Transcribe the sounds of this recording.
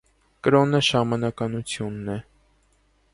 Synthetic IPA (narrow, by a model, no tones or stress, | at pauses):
kəɾɔnəʃɑmɑnɑkɑnut͡sʰjunːɛ